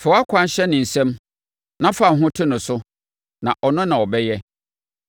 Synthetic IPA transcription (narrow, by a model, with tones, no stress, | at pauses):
fɛ˨wa˦kʷʰã˦n˦ɕɛ˦nɪ̃˨n̩˨sɛ̃˦m | nã˦fa˨ɦʊ̃˦tʰɪ˦nʊ̃˨sʊ˦ | nã˨ʔɔ˨nʊ̃˦nã˨ɔ˨bɛ˦jɛ˦